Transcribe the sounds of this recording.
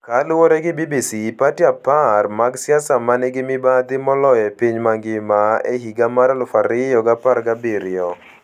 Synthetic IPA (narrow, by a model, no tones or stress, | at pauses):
kalʊwoɾɛɡɪbibisipatiaparmaɡsɪasamanɛɡɪmɪbad̪ɪmɔlɔjɛpiɲmaŋɡɪmaḛɦiɡamaɾalʊfaɾɪjɔɡaparɡabiɾɪɔ